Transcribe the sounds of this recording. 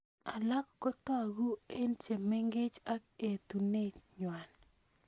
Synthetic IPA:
a˨la˦kːo˦t̪ɔ˦a˨ɡu˦e˦nt͡ʃe˨mɛ˦ŋɡɪ˦t͡ʃa˦ke˨tu˨ne˦ɲwa˨n

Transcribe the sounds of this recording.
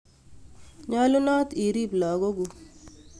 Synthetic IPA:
ɲɔ˦lu˦nɔ˦t̪i˨ɾi˦blɔ˨ɡo˦ɡu˨

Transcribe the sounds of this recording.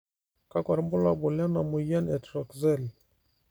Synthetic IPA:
ka˦kwa˨ɾmbu˦la˨bu˨la˦na˨mu˨ja˦nɛ˨tɾɔ˨kzɛ˦˨l

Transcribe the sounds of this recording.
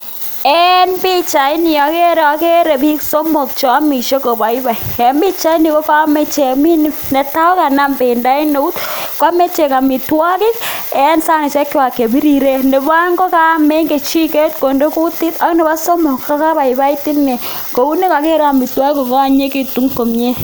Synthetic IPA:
ɛnbi˦t͡ʃa˨i˦ni˨jɔ˨ke˦ɾɔ˨ke˦ɾe˨pi˦kso˦mo˨k̚t͡ʃɔ˨˦mi˨ʃe˦ko˨ba˨i˦ba˨iɛ˨mbi˦t͡ʃa˦i˦ni˨ko˦pa˦me˦t͡ʃe˨mi˦ni˦ne˨ta˦ɔ˦ka˨na˦mbe˨nda˦i˦no˦u˦tka˦me˦t͡ʃe˨ka˨mi˨twa˦ki˦kɛ˦nsa˦ne˨t͡ʃɛ˦kːi˦wa˨ke˨bi˦ɾi˨ɾe˦ne˨ba˦ŋɡo˦ka˦me˦ŋke˨t͡ʃi˦ke˦tko˨ndo˦ku˦ti˦ta˦kne˨ba˦so˦mo˨kːa˦ka˦ba˨i˨ba˦i˦ti˦nːɛ˨ | ko˨u˦ni˦ka˨ke˦ɾa˨mi˨twa˦ki˦kːo˨ko˦a˦ɲe˦ki˨tu˨˦ŋko˨mɲe˦

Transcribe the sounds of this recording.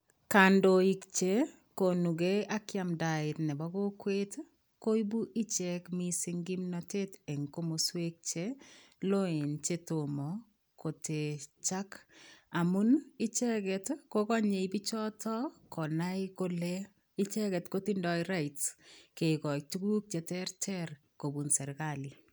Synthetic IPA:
ka˨ndo˨ikt͡ʃe˦ | ko˨nu˨ɡe˦a˦kja˨mda˨ɪ˨tnɛ˨bɔ˦ɡo˦kwe˦t | ko˦i˦bu˦ʔi˦t͡ʃɛ˦kmi˦si˦ŋɡi˦mnɔte˦te˨ŋko˦mo˨swe˦k̚t͡ʃe˦lo˦e˨nt͡ʃe˦to˨mɔ˨ | ko˨te˨t͡ʃa˦kamu˦ni˦t͡ʃɛkɛ˨tkokɔ˦ɲe˨ibi˦t͡ʃɔtʰɔ˦kɔ˨naiko˦lɛ | i˦t͡ʃɛ˦kɛ˨tko˦ti˦ndɔiɾa˦itske˨ikɔ˨k̚tu˦ɡu˦k̚t͡ʃɛ˨tɛɾtʰɛɾ | ko˨bu˨nsɛ˨ɾkali˨

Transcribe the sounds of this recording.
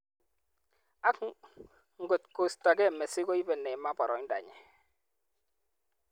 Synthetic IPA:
a˦k | ŋ̩˦ɡo˨t̚ko˨sta˨ɡɛ˦˨mɛ˨sɪ˦ɡɔ˦i˦bɛ˨nɛ˨ma˦bɔ˨ɾɔ̰˨ŋ˦da̰˨ɲɛ̰˨

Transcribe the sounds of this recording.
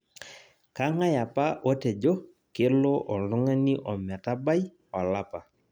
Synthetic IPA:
ka˦ŋa˦ja˨pa˦ʔo˦tɛ˨d͡ʒo˦ | ke˦lo˦ʔɔ˨lʊ˦ŋa˦ni˦ʔɔ˨mɛ˨ta˦ba˦j | ɔ˨la˦pa˨

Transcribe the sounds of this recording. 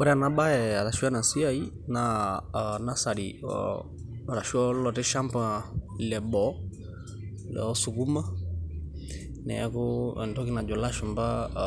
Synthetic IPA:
ɔ˦ɾɛ˦a˨na˦ba˦ɛa˨ɾa˨ʃu˦a˦na˨si˦a˦i˦ | na | na˦sa˨ɾiɔ̰ | ɾa˨ʃu˦ɔ˦lɔ˨tɛ˦ʃa˦mpa˨i˨lɛ˨bɔ | lɛ̰ɔ˦su˨ku˦ma˦ | nɛ̰˨a̰˦kɔɛ̰ndɔ˦ki˦na˨d͡ʒɔ˨la˦ʃɔmba

